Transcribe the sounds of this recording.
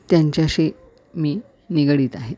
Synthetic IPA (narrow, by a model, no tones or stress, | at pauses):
t̪jaɲt͡ɕjaɕiː | miː | niɡɽiːt̪aɦe